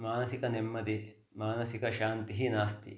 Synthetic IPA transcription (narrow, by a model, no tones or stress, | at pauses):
maːnɐsikɐnemːɐd̪i | maːnɐsikɐʃaːnt̪iɦinaːst̪ḭ